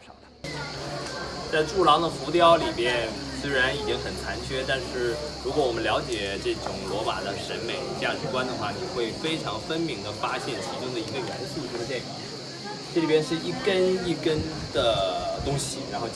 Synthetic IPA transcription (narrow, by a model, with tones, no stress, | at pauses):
ɑ˥˩t̪ʰ | t͡sa˥˧ɪʈ͡ʂu˥˩lɑ˧˥ŋd̪ə˨fu˧˥t̪jɑ˥˩ʊli˨˩pjɛ˥˧nt͡sɹ̩˥˩ɻa˧˥ni˥˩t̪jɛ˧˥nxə˨˩nt͡sʰa˧˥nt͡ɕʰɥɛ˥t̪a˥˧nʂɻ̩˥˩ | ɻu˧˥kwɔ˧˥wɔ˨˩mə˦ljɑ˧˥ʊt͡ɕjɛ˨˩ʈ͡ʂɤ˥˩ʈ͡ʂʊ˨˩ŋlwɔ˧˥ma̰˨˩d̪ə˦ʂə˧˥nme˨˩ɪ˧˩t͡ɕja˥t͡ɕʰy˥˩kwa˥nd̪ə˨xwa˥˩t͡ɕjo˥˧ʊxwe˥˩ɪfe˥ɪʈ͡ʂʰɑ˧˥ŋfə˥nmi˧˥ŋd̪ə˧fa˥ɕjɛ˥˩nt͡ɕʰi˧˥ʈ͡ʂʊ˥ŋd̪ə˨˩i˧˥ɡə˧jɛ̰˧˥nsu˥˩ʈ͡ʂʂə˧˩t̪jɛ˥˩nkʰɑ˨˩˦ | ʈ͡ʂli˨˩pjnʂɻ̩˥˧i˥˩kə˥ni˥˩kə˥n | d̪̥ə˨˩t̪ʊ˥ŋɕi˨˩ɻa˧˥nxo˥˧ʊ